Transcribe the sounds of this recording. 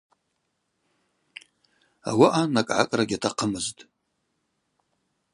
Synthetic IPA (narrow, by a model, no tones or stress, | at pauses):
a̰waʔanakʼʕa̰kʼraɡʲatʰaqʰəmɨztʼ